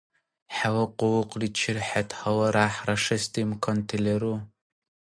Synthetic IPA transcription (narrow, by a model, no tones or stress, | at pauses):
ħawɐqʊwʊqʼrit͡ʃʰɪrħatʰhɐwɐɾaːħrɐʂɐstʰʼimkʰontʰeleɾu